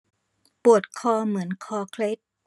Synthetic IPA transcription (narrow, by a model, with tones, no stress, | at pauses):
pu˨˩ət̪̚kʰɔː˧mɯ˩˦ənkʰɔː˧kʰle˦˥t̪̚